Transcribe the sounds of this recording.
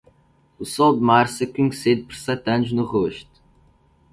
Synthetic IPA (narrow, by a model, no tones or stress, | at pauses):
usɔwˠd̪maɾsɐkuɲsed̪̚pɔɾsɛt̪ɐnʊʒnuʁoʃt̪u̥